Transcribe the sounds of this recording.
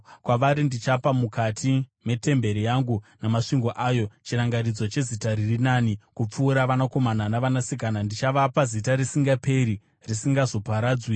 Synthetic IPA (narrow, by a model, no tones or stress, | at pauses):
kwaʋaɾindit͡ʃapamukatʰime̞te̞mbe̞ɾijaŋɡunamaʂiŋɡo̞ʔajo̞t͡ʃiraŋɡarid͡zot͡ʃe̞zitaɾirinanikup͡fuːɾaʋanako̞mananaʋanasikanandit͡ʃaʋapazitarisiŋɡapʰe̞ɾi | risiŋɡazo̞paɾaːd͡zwi